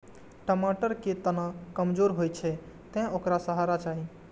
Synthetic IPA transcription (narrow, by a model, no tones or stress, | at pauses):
ʈəmaʈəɾket̪ənəkəmd͡ʒoɾɦojt͡ʃʰɛ | t̪ɛ̃okɾasəɦaɾat͡ʃaɦi